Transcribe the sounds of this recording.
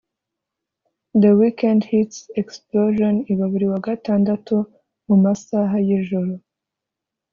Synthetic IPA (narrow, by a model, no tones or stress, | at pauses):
d̪əwikandhitseksploʒoniβaβiɾiwaɡataːndatu | mumasaɦajiʒuɾo